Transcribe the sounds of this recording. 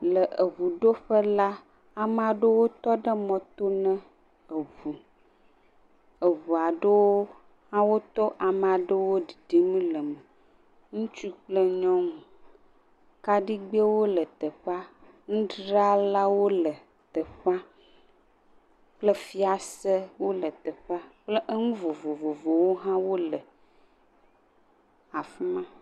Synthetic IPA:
lə˨ʔə˨βu˨ɖo˦ɸə˦la˦ | a˨m˦a˨ɖə˦wo˦t̪ɔ˦ɖə˦mɔ̃˨t̪o˦nɛ̃˦ | ə˨vu˨ | ə˨βu˨a˨ɖə˦wo˦ | a˦wo˦t̪ɔ˦ʔa˨m˨a˨ɖə˦wo˦ɖi˨ɖi˦mĩ˦lə˨mə˨ | ŋũ˦t͡ʃu˦k͡plə˦ɲɔ̃˦m˨ | ka˦ɖi˦ɡ͡be˦wo˦lə˨t̪ə˨ɸa˦ | ŋũ˦ɖɾa˦la˦wo˦lə˨ | t̪ə˨ɸa˦ | k͡plə˦fi˦a˨sə˦wo˦lə˨t̪ə˨ɸa˦k͡plə˦ʔə˦ŋũ˦vo˨vo˨vo˨vo˨wo˦ɦã˦wo˦lə˨ | a˨fu˦mã˦

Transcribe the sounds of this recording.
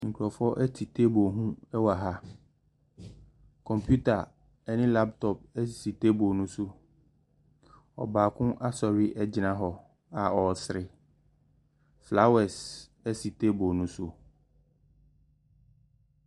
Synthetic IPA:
ŋ̩˨kʰu˨ɾɔ˨fɔ˦ʔɛ˦tʰi˨tʰe˦bo˨ɦũ˦ɛ˦wa˨ɦa˦ | kʰɔ̃˨mpʰju˦tʰa˨ | ɛ˦nɪ̃˦la˦ptʰɔ˨p̚ɛ˦˨si˨tʰe˦bo˨nũ˦sʊ˦ | ɔ̰˨baː˨kʰʊ̃˦ʔa˦sɔ˨ɥɪ˦ʔɛ˦d͡ʑɪ˨nã˦ɦɔ˨ | a˨ɔ˨sɪ˨ɾɪ˨ | fla˦wɛ˨s | ɛ˦si˨tʰe˦bo˨nũ˦sʊ˦

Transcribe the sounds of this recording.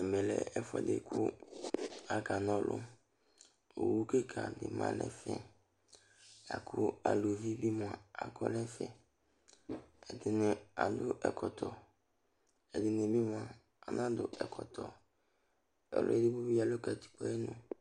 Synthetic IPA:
ɛ˨mɛ˨lɛ̰˨ɛ˦fɔ̰˨dɪ̰˨kʰʊ˦ | a˨ka˨nɔ̃˦lʔʊ̰˦ | o˨wu˦ke˦kʰa˨dɪ̰˨mã̰˦lɛ̰˦fɛ̰̃˨ | a̰˨kʰʊ˦a˨lo˨vi˦bi˦mʊ˨a˨a˨kʰɔ˦lɛ̃˦fɛ̰̃˨ | ɛ˨dɪ˨nɪ̃˨a˨dʊ˦ʔɛ˨kʰɔ˨tʰɔ˨ | ɛ˨dɪ˨nẽ˨bi˦mʊ̃˨a˨ | a˨nã˦dʊ˨ɛ˨kʰɔ˨tʰɔ˨ | ɛ̰˨lʊ̰˦ɛ˦dɪ˦bo˦bi˦a˨lʊ˦ka˨ti̥˨k͡pɔ˦ɛ˦nʊ̃˨

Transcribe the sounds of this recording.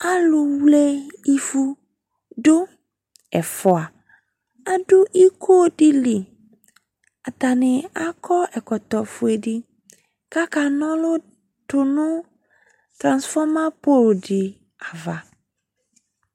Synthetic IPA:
a˦lʊ˨wle˦i˦fu˦ | ɖʊ˦ | ɛ˨fɔ˨a˨ | a˦ɖʊ˦ʔi˦kʰo˦ɖi˦li˨ | a˨t̪a˨nɪ̃˨a˦kʰɔ˦ʔɛ˨kɔ˨t̪ɔ˨fʊ˨e˨ɖɪ˦ | ka˦ka˨nɔ̃˦lʊ˦ | tʊ˨nʊ̃˦ | t̪ɾã˨nsfɔ˦mã˦po˦lɖɪ˨ | a˨va˨

